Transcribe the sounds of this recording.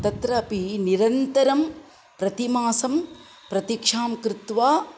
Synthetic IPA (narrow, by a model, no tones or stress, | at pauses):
t̪ɐt̪ɾɐːpiniɾɐnt̪ɐɾɐm | pɾɐt̪imaːsɐm | pɾɐt̪ikʂaːmkɾɪt̪ʋaː